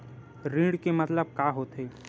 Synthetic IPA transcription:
ɾĩːɽkemɐt̪ləb̚kaːɦoːt̪ɦeː

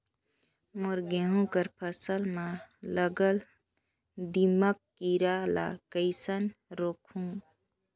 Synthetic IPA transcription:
moɾɡeɦũkəɾpʰəsəlmãləɡəl | d̪iməkːiɾala̰kəɪsənɾoːkʰũː

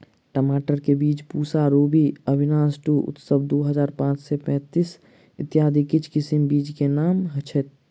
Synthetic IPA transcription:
ʈəmaːʈəɾkebiːd͡ʒpusaɾobiəbʱinaːsʈuʊ̰t̪səbd̪oɦəd͡ʒaːɾpãt͡ʃsepɛ̃ːt̪is | ɪt̪jaːd̪ʱikit͡ʃʰkɪsimbiːd͡ʒkenaːmɦət͡ʃʰɛt̪

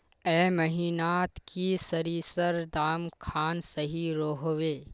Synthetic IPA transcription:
ɛːmɐɦiːnaːt̪kʰisəɾiːsəɾd̪aːmkʰaːnsəɦiɾoːɦoʋeː

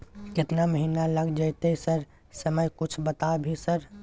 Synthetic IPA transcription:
kɪt̪naməɦinaləɡd͡ʒəjt̪esəɾ | səməjkut͡ʃʰbət̪abʱisəɾ

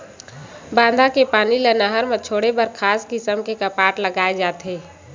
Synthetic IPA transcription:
bãːnd̪ʱakepaːnilənaɦəɾmẽt͡ʃʰoːɽebəɾkʰaːskɪsəmkekapaːʈləɡaːed͡ʒaːt̪ɦeː

